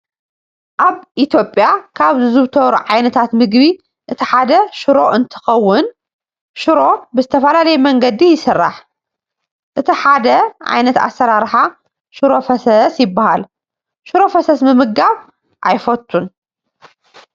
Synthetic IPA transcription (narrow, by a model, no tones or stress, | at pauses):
ʔaβʔit̪ʰjo̞pʼjakʰaβzɨzɨβt̪ʰɐβɾṵʕajnɐt̪ʰat̪mɨɡbi | ʔɨt̪ʰiħad̪ɐʃʊɾo̞ʔɨnt̪ʰɨ̥xɐwːʊn | ʃɨɾo̞bɨzɨt̪ʰɐfɐlalɐjɛmɐŋɡɐd̪ijɪsɨrːaħ | ʔɨt̪ʰiħad̪ɐʕa̰jnɐt̪a̰sːɐɾaɾħa | ʃɨɾo̞fɐsɐsjɪbːahal | ʃuɾo̞fɐsɐsmɨmɨɡɡaβ | ʔajfɐt̪ʰʼːun